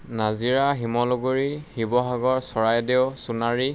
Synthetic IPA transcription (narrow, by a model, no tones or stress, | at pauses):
naziɹaɦimɔlɔɡoɹihibɔɦaɡɔɹsɔɹajdeʊsunaɹi